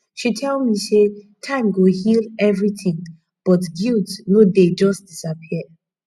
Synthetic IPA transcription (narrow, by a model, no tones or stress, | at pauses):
ʃitʰɛlˠmise | tʰãɪ̃mɡohilɛvɹiθɪ̃ŋ | b̥ɔtɡilˠdnoded͡ʒʌstd̥isapʰiə